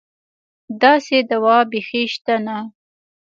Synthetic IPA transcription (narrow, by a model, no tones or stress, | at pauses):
d̪ɑsed̪awɑbexeʃt̪ana